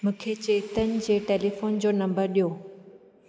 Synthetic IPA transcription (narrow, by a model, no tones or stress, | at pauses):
mũːkʰet͡ɕeːt̪ənɪ̆d͡ʑeːʈeːlifoːnd͡ʑoːnɐ̃mbəɾɗijoː